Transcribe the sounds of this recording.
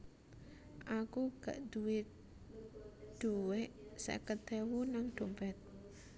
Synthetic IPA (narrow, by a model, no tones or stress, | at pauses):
ʔakuɡ̥a̰ʔd̪̥uwe | d̪̥uweʔsɛ̰kəd̪̥ɛwunaŋɖ̪̥o̤mpɛt̪̚